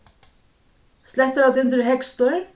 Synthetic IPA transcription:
sɛht̪əɾat̪ɪnt̪ɪɾɦɛkst̪ɔɾ

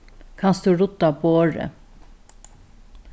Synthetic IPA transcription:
kʰanst̪uɾʊt̪ːaboːɹə̰

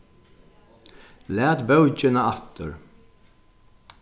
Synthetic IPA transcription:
læːt̪bœwt͡ʃɪnaat̪əɹ

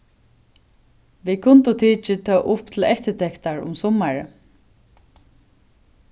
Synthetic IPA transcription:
ʋikʰʊnt̪ʊt̪ʰiːt͡ʃɪt̪ʰɑːʔʊpt̪ʰɪlɛht̪ɪt̪ʰɛkt̪aɹʊ̰msɔmaɹə̰

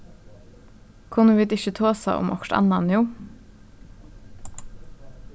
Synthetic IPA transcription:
kʰʊnəʋiːd̪ɪçət̪ʰoːsa̰ʔʊ̰mʔɔkʈ̪a̰nːanjuː

